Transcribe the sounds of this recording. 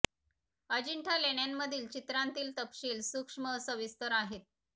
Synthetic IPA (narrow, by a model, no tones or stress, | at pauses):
əd͡ʑiɳʈʰaleɳjanːəd̪ʱiːlt͡ɕit̪ɾant̪iːlt̪əpɕiːlsukʂməsəʋist̪əɾaɦet̪̚